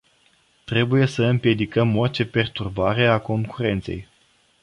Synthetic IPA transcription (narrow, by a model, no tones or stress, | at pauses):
t̪ɾe̞buje̞səɨmpje̞d̪ikəmort͡ʃe̞pe̞rt̪urbaɾe̞ako̞ŋkuɾe̞nt̪se̞̰j